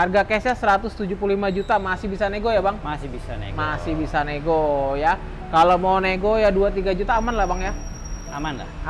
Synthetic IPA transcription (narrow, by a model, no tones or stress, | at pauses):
arɡakesasəɾat̪ʊst̪ud͡ʒup̬ulimad͡ʒut̪amasɪhbisaneɡojabaŋmasbisamasɪhbisaneɡoja | kalomawneɡojaduat̪iɡad͡ʒut̪aːmanlahbaŋja | amanla̰